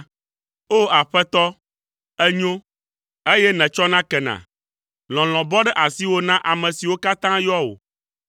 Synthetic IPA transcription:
o˦a˨ɸɛ˦t̪ɔ˦ | ɛ˦ɲõ˦ | e˦jɛ˦nɛ̃˨t͡ʃɔ˦nã˦kɛ˨nã̰˨ | lɔ̃˨l̃ɔ̃˨bɔ˦ɖɛ˦ʔa˨si˦wo˦nã˦ʔa˨mɛ̃˨si˨wo˦ka˦t̪ã˦jɔ˦o̰˨

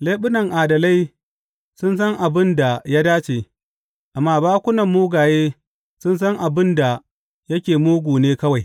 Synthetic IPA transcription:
leː˦ɓʊ˦nɐ˨ŋʔaː˨dɐ˨la˦j | sʊ˦ns̬ɐ˦ŋʔa˨bɪ˦nda˨ja˦daː˦t͡ʃeː˨ | ʔa˨mːaː˦˨baː˦kʷʊ˦nɐ˨mːuː˦ɡaː˨jeː˦ | sʊ˦ns̬ɐ˦ŋʔa˨bɪ˦nda˨ | jɐ˦kʲeː˨muː˦ɡʷuː˨neː˦kɐ˦wa˨j

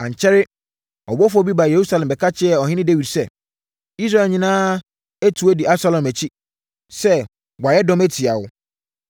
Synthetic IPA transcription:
ã˨ɲ˨t͡ɕʰɛ˦ɾɪ˦ | ɔ˨bɔ˦fʊ˦ɔ˦bi˦ba˨je˨ɾu˦sa˦lɛ̃˨mbɛ˨kʰa˦t͡ɕʰɪ˦ɛ˨ɔ˨ɦɪ̃˦nɪ̃˦de˦wi˨dsɛ˦˨ | i˦s̬ɾa˦˨lɲĩ˦nãː˦ | æ˦tʰu˨ɛ˦di˨a˦sa˨lɔ̃˨mæ˨t͡ɕʰi˦ | sɛ˦ | ɡʷa˨jɛ˦dɔ̃˦mæ˦tʰi˨a˨wʊ˦

